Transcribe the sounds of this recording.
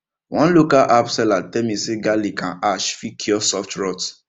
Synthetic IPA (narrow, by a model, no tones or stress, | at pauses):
wɔ̃lokaʔapsɛlatɛmĩseɡalikãʔaʃfikʰiɔsɔftɹɔt